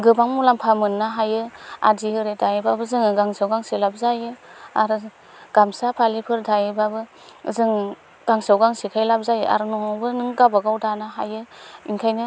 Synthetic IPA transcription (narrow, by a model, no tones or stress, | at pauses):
ɡɯbaŋmulampʰamɯnːaɦajɯa̰diɯɾedajibabɯzɯŋɡaŋsawɡaŋsilab̚zajɯa̰ɾɯ | ɡ̥amsapʰalipʰɯɾdajibabɯ | zɯŋ | ɡ̥aŋsawɡaŋsikʰajlab̚zajɯʔa̰ɾnɔŋabɯnɯŋɡabaɡawdanaɦa̰jɯinkʰajnɯ